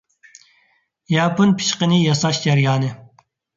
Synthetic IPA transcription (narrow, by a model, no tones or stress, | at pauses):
jɑːpunpʰi̥ʃqənɨjɑsɑʃd͡ʒɛɾjɑːnɨ